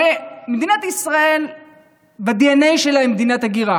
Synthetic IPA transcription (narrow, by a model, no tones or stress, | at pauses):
emed̪inat̪isʁael | bad̪ianejʃelaimed̪inat̪aɡiʁa